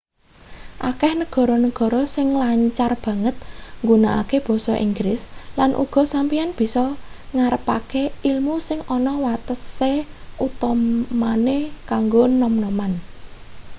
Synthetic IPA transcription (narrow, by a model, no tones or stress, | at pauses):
ʔakɛhnəɡ̥ɔ̤ɾɔnəɡ̥ɔ̤ɾɔsɪŋlaɲt͡ʃarb̥ä̤ŋət̪̚ŋɡunaʔa̰keb̥ɔ̤sɔʔḭŋɡɾɪslanʔṵɡ̥ɔ̤sampijanb̥i̤sɔŋaɾəpakeilmusɪŋɔnɔwat̪əseut̪ɔmanekaŋɡonɔmnɔman